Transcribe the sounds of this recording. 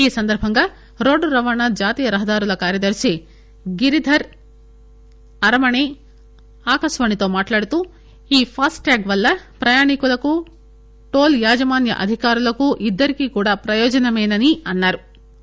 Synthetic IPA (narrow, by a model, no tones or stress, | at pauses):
iːsɐnd̪ɐɾbʱɐŋɡaː | ɾo̞ːɖɾɐʋaːɳad͡ʒaːt̪iːjɐɾɐɦɐd̪aːɾulɐkaːɾjɐd̪ɐɾsi | ɡiɾid̪ʱɐɾ | ɐɾɐmɐɳe | aːkɐsʋɐːɳit̪o̞ːmaːʈlaːɽut̪u | iːpʰaːsʈʈaːɡʋɐlːɐpɾɐjaːɳikulɐku | ʈoːljaːd͡ʒɐmaːnjɐ̰ʔɐ̰d̪ʱikaːɾulɐkuʔid̪ːɐɾikikuːɽaːpɾɐjɔːd͡ʒɐnɐmɛːnɐniɐnːaːɾu